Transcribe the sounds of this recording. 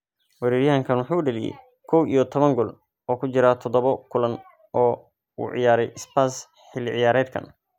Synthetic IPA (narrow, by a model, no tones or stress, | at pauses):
wɑɾɛːɾjɐɦɐŋkʰɐnwɑħuːʊɖɐlɪjɛ̰j | kʰɔwʔijɔt̪ʰɔβɐŋɡɔl | ɔːkʰʊt͡ʃɪɾaːt̪ʰɔd̪ɔβɔkʰʊlɐn | ʔɔː | ṵːʕɪ̰jaːɾɛjʔɪspaːs | ħɪlːɪʕɪ̰jaːɾɛːd̪̚kʰɐ̰n